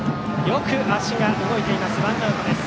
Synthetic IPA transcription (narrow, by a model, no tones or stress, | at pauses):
jo̞kɯ̟ʔaɕiɡanoɡo̞it̪e̞imasɨbãnd̪oːɡod̪es